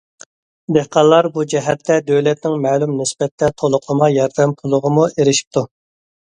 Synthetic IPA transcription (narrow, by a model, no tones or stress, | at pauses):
d̪ehqɑlˠːɑɾbud͡ʒɛɦɛt̪ʰːɛd̪øwlɛt̪nɪŋmɛːlˠumnɪsbɛt̪ʰːɛt̪ʰolˠʊqʰlˠəmɑjɑɾd̪ɛmpʰʊlˠʊʁəmueɾɪʃi̥p̚t̪ʰu